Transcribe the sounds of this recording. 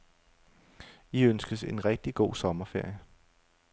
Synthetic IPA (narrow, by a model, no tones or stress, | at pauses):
iønsɡ̥əse̝nʁɛɡ̥̚d̥iɡ̥o̝̰ːsɒ̽mɐfe̝ɐ̰jə